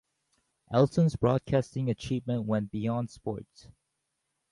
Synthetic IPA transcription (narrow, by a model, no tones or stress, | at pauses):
ʔɛlˠtə̃nzbɹɔd̚kʰæstɪ̃ŋɨt͡ʃʰivmə̃nwɛ̃nb̥iɔ̃nd̥spɔ̰ɹts